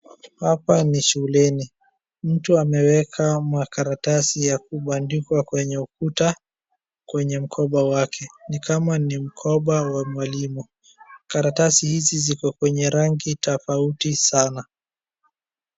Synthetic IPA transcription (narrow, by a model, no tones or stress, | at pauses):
hapaniʃulɛni | m̩tuamɛwɛkʰamakaɾatasijak̚uɓandikwakwɛɲɛukuta | kwɛɲɛm̩kʰɔɓawakʰɛnikamanim̩kʰɔɓawamwalimu | kaɾatasihizizikɔkwɛɲɛɾaŋɡitɔfautisana